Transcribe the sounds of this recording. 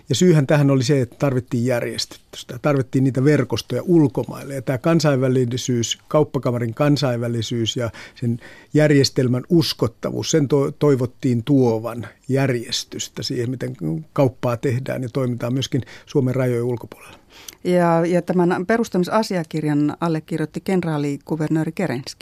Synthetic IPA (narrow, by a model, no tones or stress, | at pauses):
jɑsyːhænt̪æhænoliseet̪ːæt̪ɑrʋit̪ːiːjjærjḛst̪y̥t̪ːy̥st̪æt̪ɑrʋit̪ːiːnniːt̪æʋerkost̪ojɑ̰ʔulkomɑ̰ilːejɑt̪æːkɑnsɑiʋʋælisyːskɑupːɑkɑmɑriŋkɑnsɑiʋʋælisyːsjɑsenjærjest̪elmænuskot̪ːɑ̰ʋṵːssent̪ot̪oiʋot̪ːiːnt̪uoʋɑnjærjest̪yst̪æsḭːhemmit̪eŋkɑupːɑːt̪ehdæ̰ːnjɑt̪oimit̪ɑːmmyøskinsuomerrɑjojulkopu̥o̥le̥l̥ːe̥jɑjɑt̪æmænperust̪ɑmisɑsiɑkirjɑnɑlːekkirjot̪ːikenrɑːliɡ̥uʋernøːrikeɾenski̥